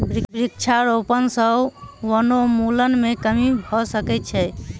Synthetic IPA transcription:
bɾikbɾik̚t͡ʃʰaɾopənsəbwənomulənmekəmibʱɔsəkɛt̪̚t͡ʃʰɛ

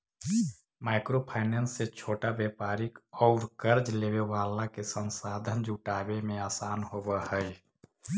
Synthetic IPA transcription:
maːɪkɾopʰaɪnensːet͡ʃʰoːʈabjɛpaːɾɪkɔʊɾkəɾd͡ʒleːwewaːlakesə̃nsaːd̪ʱənd͡ʒuʈaːbemẽaːsaːnɦoːbəhəj

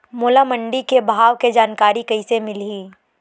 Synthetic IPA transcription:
moːlamə̃ɳɖikebʱaːʋked͡ʒaːnkaːɾikɐisemɪliː

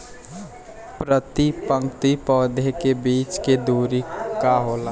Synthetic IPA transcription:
pɾət̪ipə̃ŋkt̪ipɔːd̪ʱekebiːt͡ʃked̪uːɾikaɦola

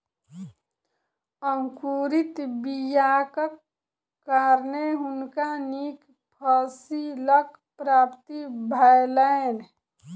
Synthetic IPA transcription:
əŋkuːɾit̪bijaːkəkː | aɾneɦʊnkanik | pʰəsilək | pɾaːpt̪ibʱəjləen

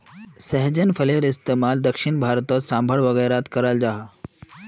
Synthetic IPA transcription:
səɦd͡ʑənfʰəleɾist̪emald̪əkʂiɳbʱaɾt̪ɔt̪sãmbʱəɭʋəɣəɾat̪kəɾald͡ʒaɦa

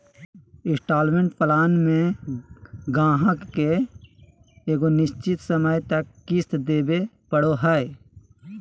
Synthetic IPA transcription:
ɪsʈaːlmẽɳʈpəlaːnmẽ | ɡãːɦəkːe | eːɡonɪʃt͡ʃɪt̪səməjt̪əkːist̪d̪eːbepəɽoɦəe

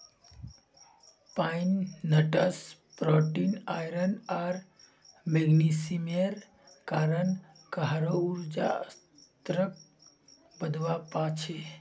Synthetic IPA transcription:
painːəʈəspɾɔʈinajɾənaɾ | meɡnisimeɾ | kaːɾən | kaɦɾouɾd͡ʒa̰s | t̪ɾək̚ | bəd̪wapat͡ʃʰe

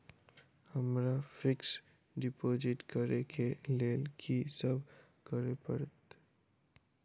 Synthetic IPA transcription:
həmɾafɪks | ɖɪpoːd͡ʒɪʈkəɾekʰeleːkʰisəbʱ | kəɾepəɾət̪

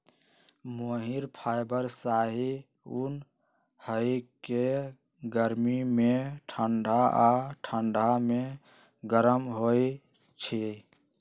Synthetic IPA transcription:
moɦiɾpʰajbəɾsaɦi | un | həjke | ɡəɾmimeʈʰəɳɖʱaʔaʈʰəɳɖʱame | ɡəɾəmɦo | t͡ʃʰi

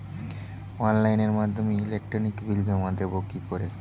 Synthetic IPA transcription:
ɔnlajneɾmad̪ʱːomeilek̚ʈɾonikbild̪ʱomad̪ebokikoɾe

